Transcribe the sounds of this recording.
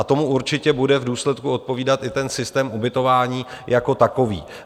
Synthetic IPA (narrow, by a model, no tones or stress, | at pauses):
at̪o̞muuɾt͡ʃɪcɛbudɛvduːslɛt̪kuo̞t̪̚po̞viːdat̪ʔɪt̪ɛnsɪst̪ɛːmʔubɪt̪o̞vaːɲiːjako̞t̪ako̞vḭː